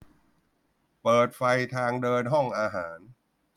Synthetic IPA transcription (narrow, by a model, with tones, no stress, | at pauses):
pɤː˨˩t̪̚fa˧jt̪ʰaː˧ŋdɤː˧nɦɔ˥˩ŋʔaː˧ɦaː˩˦n